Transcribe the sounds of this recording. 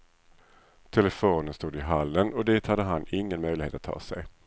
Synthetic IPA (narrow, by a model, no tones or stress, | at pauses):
t̪ʰɛlɛfoːnənst̪uːd̪ɪɦalːənɔd̪iːt̪had̪ːəɦanɪŋːənmœjlɪɡhḛːt̪at̪ʰːɑ̰ːsɛ̰j